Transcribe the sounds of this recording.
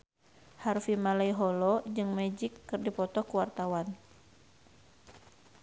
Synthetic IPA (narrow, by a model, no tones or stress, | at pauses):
harfimalaiɦɔlɔd͡ʒɨŋmɛd͡ʒikːɨrdipɔt̪ɔkuwart̪awan